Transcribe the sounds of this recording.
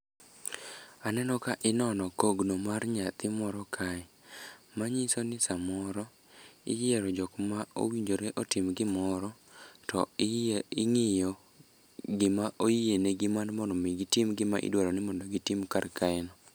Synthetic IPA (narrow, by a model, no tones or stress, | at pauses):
anɛnɔkaʔɪnɔnɔkoɡnomarɲat̪ɪmɔɾɔkʰaɛ | maɲisonɪsamɔɾɔ | ɪ̰jɛɾɔd͡ʒɔkmao̰wiɲd͡ʒoɾeʔotɪmɡɪmɔɾɔ | tɔ | ɪŋɪjɔ | ɡɪmaʔojieneɡɪmandmɔndɔmiɡɪtɪmɡɪmaʔɪ̰dwaɾɔnɪmɔndɔɡɪtimkarkaɛnɔ